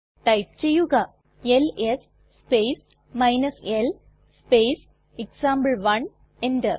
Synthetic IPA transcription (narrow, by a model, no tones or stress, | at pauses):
ʈɐɪp̚t͡ʃejuɡa | eles | speːs | maɪnɐsel | speːs | eksãːmbəlʋɐn | ẽɳɖɐ